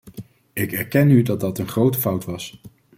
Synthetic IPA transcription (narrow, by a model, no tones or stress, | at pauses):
ɪkɛɹkɛnydɑd̚dɑtənχrowtəfʌwtʋɑs